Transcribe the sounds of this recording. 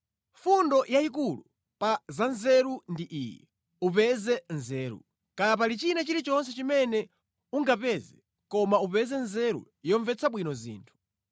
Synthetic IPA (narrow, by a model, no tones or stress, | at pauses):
fundɔjaik̬ulu | pazanzɛɾundiʔiːjɛ | up̬ɛzɛnzɛːɾṵ | kajap̬alit͡ʃinat͡ʃiɾit͡ʃɔns̬ɛt͡ʃimɛnɛ | uŋɡapɛzɛ | kɔmaupɛzɛnzɛɾṵ | jɔɱvɛt͡sʰaɓwinɔzḭːntʰu̥